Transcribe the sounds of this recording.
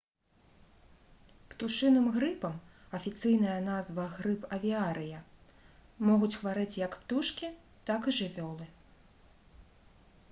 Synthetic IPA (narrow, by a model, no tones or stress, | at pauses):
pt̪uʂɨnɨmɣɾɨpɐm | ɐfʲit̪sɨjn̪ɐjɐnazvɐɣɾɨpɐvʲiaɾɨjɐ | mɔɣut͡sʲxvaɾɨt͡sʲjɐkpt̪uʂkʲi | t̪akiʐɨvʲɔlˠɨ